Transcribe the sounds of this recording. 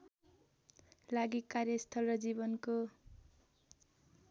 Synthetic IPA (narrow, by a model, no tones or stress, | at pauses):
laɡikarjʌst̪ʰʌlrʌd͡zibʌnko